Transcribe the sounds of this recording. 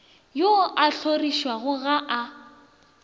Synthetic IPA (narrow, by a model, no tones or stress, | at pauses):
joʔaɬʰoriʃwaɣʊɣaʔa